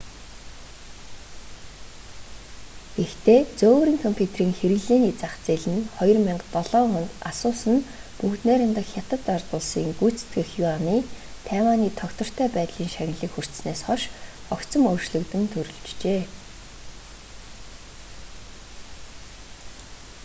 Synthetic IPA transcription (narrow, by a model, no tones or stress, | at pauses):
ɡext̪ʰeːt͡soːwɾiːŋkʰɔmpʲʰut̪ʰeriːŋxeɾɘ̆ɣɮeːniːt͡saχt͡seɮɘ̆nχɔjɞ̆rmaɴɢt̪ɔɮɔːχɔnt̪asʊːsə̆npukt̪næːɾə̆nt̪ə̆xxʲjat̪ə̆t̪art̪ʊːɮsḭːŋɡujt͡se̥t̪ɡɘ̆xjuaniːt̪ʰæːwaːniːt̪ʰɔkt̪ɞ̆r̥t̪ʰæːpæːt̪ɮiːŋʃaɣ̆ʲnɮiːxur̥t̪̆sneːsχɔʃ | ɔkt͡sɞ̆mɵwʃɮɵ̆kt̪ɘ̆mt̪ʰɵɾɵ̆ɮt͡ɕt͡ɕeː